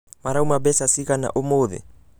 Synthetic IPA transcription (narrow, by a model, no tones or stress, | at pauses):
maɾaumabɛsasikana̰ʔomoːðɛ̰